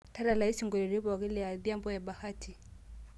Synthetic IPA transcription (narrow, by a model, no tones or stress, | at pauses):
tadalaisiŋɡɔlɛɾiβɔaɣilɛaðjambɔjaɓahatʰi